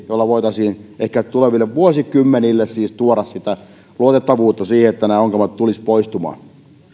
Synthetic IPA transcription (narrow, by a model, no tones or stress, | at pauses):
jolːɑʋoit̪ɑsiːnehkætt̪uleʋilːeʋʋuosikymːenilːessiːst̪uoɾɑssit̪æ | luot̪et̪ːɑʋuːt̪ːɑsiːheet̪ːænæːoŋkemɑt̪t̪ulispoist̪umɑ̰ːn